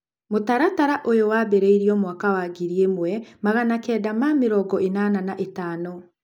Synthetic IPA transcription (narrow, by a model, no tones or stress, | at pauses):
motaɾataɾaʔojowabɛɾeiɾiɔmwakawaɡiɾiemwɛmaɣanakɛːdamameɾɔɡɔʔenananaʔetaːnɔ